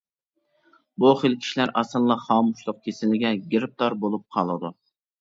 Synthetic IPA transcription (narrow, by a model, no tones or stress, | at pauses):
bʊχelkʲʰi̥ʃlæɾʔɑsɨlˠlˠɑχɑːmʊʃlˠʊq̚kʲʰesɪlɪɡʲɛɡʲɪɾɪp̚t̪ɑɾbolˠup̚qʰɑlˠɨd̪ʊ